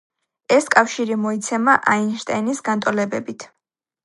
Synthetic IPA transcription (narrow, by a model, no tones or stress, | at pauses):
ɛskʼafʃiɾimɔit̪sʰɛmaʔainʃt̪ʼajnisɡant̪ʼɔlɛbɛbit̪ʰ